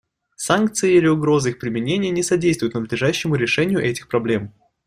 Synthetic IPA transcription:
sankt̪sɨɪilʲɪʊɡɾo̞zɨixpɾʲɪmʲɪnʲenʲɪjənʲɪsɐdʲejst̪vʊjt̪nəd̪lʲɪʐaɕːɪmʊɾʲɪʂɛnʲɪjʊʔɛtʲɪxpɾɐblʲe̞m

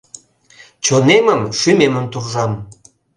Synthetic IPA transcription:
t͡ɕoneməmʃymeməmt̪urʒɑm

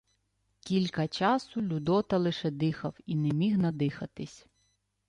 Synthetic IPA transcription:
kʲilʲkɐt͡ʃɑsʊlʲud̪ɔt̪ɐlˠɪʃɛd̪ɪxɐwinɛmʲiɦnɐd̪ɪxɐt̪ɪsʲ

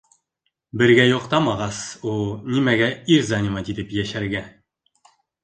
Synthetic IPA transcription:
bɘ̆ɾɡæjŏqt̪ɑmɑʁɑsulˠnimæɡæiɾzanʲimɑd̪id̪ɘpjæʃæɾɡæ

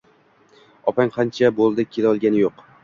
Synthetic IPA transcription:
ɒpaŋqʰɑnt͡ʃʰabolˠd̪ɪkʲʰelɒlˠɡʲanɪjoq

